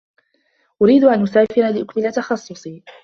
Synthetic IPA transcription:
ʔʊɾiːd̪ʔanʔʊsaːfɪɾalɪʔʊkmɪlat̪ɑxɑsˤːʊsˤiː

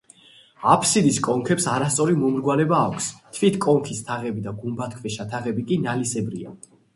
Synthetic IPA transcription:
apʰsid̪iskʼɔŋkʰɛpsaɾast̪sʼɔɾimɔmɾɡwalɛbaːkʷʰst̪ʰvit̪ʰkʼɔŋkʰist̪ʰaʁɛbid̪aɡumbat̪̚ʰkʰvɛʃat̪ʰaʁɛbikʼinalisɛbɾia

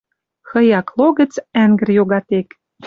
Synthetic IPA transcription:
xɤ̆jɑkloɣə̆t͡sæŋɡə̆rjoɣɑt̪ek

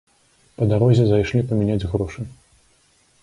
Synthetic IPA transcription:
pɐd̪aɾɔzʲɛzajʂlʲipɐmʲinʲad͡zʲɣɾɔʂɨ

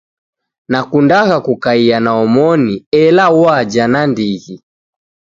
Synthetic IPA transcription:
nakundaɣakukaianaɔmɔniɛlawad͡ʒanandiɣi

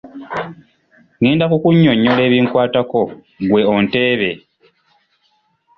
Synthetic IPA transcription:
niːndakukuɲːo̞ɲːole̞ːβiːŋkwaːtako̞ | ɡwe̞onte̞ːβe̞

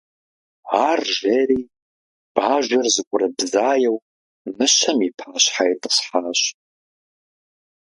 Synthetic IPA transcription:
aːrʒeɾiː | b̥aːʒʷɐrzɨkʷʼʊrɐbzaːjɛw | nɨʃɐmipʰaːɕħajtʼɨ̥sħaːɕ

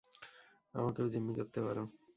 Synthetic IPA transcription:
a̰makeod͡ʑomːid͡ʑot̪ːepaɾo

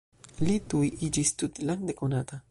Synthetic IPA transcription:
lit̪ujid͡ʒist̪ut̪laŋd̪ekonat̪a

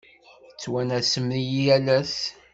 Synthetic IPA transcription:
t͡sːwænæsəmnijiælæs

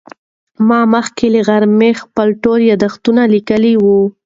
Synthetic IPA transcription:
mɑməxkeləɣaɾmexpəlʈoɾjɑd̪axt̪unalikəliwu

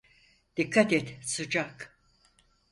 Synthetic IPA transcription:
d̪̥ikʰːat̪ɛt̪sɯd͡ʒak

